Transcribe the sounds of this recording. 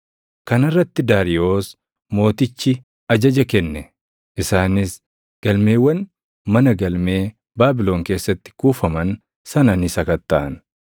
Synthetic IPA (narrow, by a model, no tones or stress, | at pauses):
kɐnɪrːɐt̪ːɪd̪aːɾɪo̞ːs | mo̞ːt̪ɪt͡ʃːɪ | ɐd͡ʒɐd͡ʒɐkɛnːɛ | ʔɪsaːnɪs | ɡ̥ɐlme̞ːwːɐn | mɐnɐɡɐlme̞ː | baːbɪlo̞ːŋkeːsːɐt̪ːɪ̥kuːfɐmɐn | sɐnɐnɪsɐkɐt̪ːɐʔɐn